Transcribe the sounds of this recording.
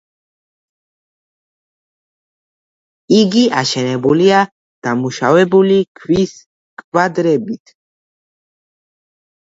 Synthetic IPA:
iɡiaʃɛnɛbulia | d̪̥amuʃavɛbulikʰwis | kʼvad̪ɾɛbit̪ʰ

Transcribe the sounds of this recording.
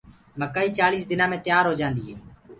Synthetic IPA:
məkːaːiːt͡ʃaːliːsd̪ɪnãːmẽːt̪ɪjaːɾɦoːd͡ʒãːnd̪iːɦeː

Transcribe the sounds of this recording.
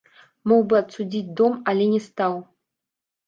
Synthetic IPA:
mɔwbɨɐt̪sud͡zʲit͡sʲd̪omalʲɛnʲɛst̪aw

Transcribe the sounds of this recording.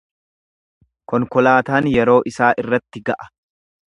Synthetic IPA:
kɔŋkɔlaːt̪aːnjɛɾo̞ːʔɪsaːʔɪrːɐt̪ːɪɡɐʔɐ̥

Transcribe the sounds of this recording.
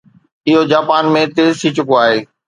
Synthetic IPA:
ɪɦod͡ʑaːpaːnmẽt̪eːzt̪ʰit͡ɕʊkoaːɦeː

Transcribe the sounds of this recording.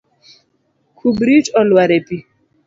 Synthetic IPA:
kʰubɾit͡ʃɔlwaɾepi

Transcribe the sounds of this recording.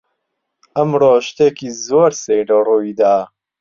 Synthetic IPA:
ʔɐmroːʃt̪eːkiːzoːɾsejlɐruːd̪aː

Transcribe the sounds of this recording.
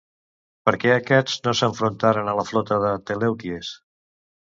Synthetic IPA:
pəɾkɛəkɛd͡znosəɱfɾunt̪aɾənələflɔt̪əðət̪elɛwt̪ies

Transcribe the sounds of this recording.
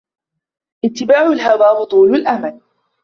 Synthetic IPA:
ʔɪt̪ːɪbaːʕʊlɦawaːwʊt̪ˤuːlʊlʔamal

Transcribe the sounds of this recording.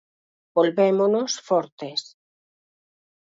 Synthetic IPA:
bolβemonosfɔɾt̪es

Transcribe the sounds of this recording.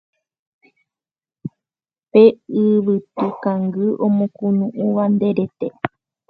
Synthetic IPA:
peɨβɨt̪ukaŋɡɨʔõmõkunũʔuʋand̪eɾet̪e

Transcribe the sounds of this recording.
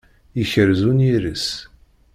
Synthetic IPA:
içəɾzuniɾəs

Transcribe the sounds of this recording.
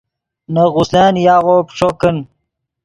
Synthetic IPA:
nəɣusleːnjaːɣopʂokən

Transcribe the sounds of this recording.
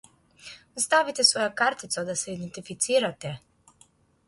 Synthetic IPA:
st̪avit̪ɛsvɔjakaɾt̪it̪sad̪asɛid̪ɛnt̪ifit̪siːɾat̪ɛ

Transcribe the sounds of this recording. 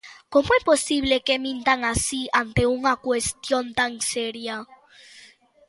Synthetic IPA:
komoɛposiβlekemĩnt̪aŋasiant̪euŋakwest̪jont̪aŋseɾja

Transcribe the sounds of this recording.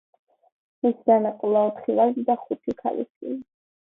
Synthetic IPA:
misd̪anaqʼulˠaɔt̪χilalid̪aχut̪ʰikʰa̰lḭsili

